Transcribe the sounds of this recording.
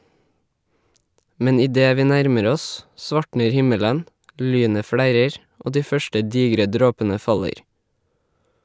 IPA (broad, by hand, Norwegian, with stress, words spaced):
ˈmɛn ɪˈdeː ˈʋiː ˈnæɾməɾ ˈɔs ˈsʋɑʈɳəɾ ˈhɪmələn ˈlyːnə ˈfɽæɾəɾ ˈʔoː ˈdiː ˈfœʃʈə ˈdiːɡɾə ˈdɾoːpənə ˈfɑləɾ